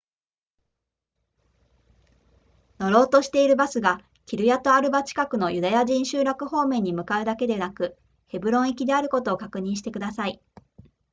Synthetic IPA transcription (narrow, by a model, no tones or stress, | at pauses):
no̞ɾo̞ːt̪o̞ɕi̥t̪e̞iɾɯ̟basɨɡa | kʲiɾɯ̟jat̪o̞aɾɯ̟bat͡ɕi̥kakɯ̟no̞jɯ̟d̪ajaʑĩɰ̃ɕɨːɾakɯ̟ho̞ːmẽ̞ɲ̟ːimɯ̟kaɯ̟d̪ake̞d̪e̞nakɯ̟ | he̞bɯ̟ɾõ̞ɰ̃ikʲid̪e̞aɾɯ̟ko̞t̪o̞ːkakɯ̟ɲ̟ĩɰ̃ɕi̥t̪e̞kɯ̟d̪asai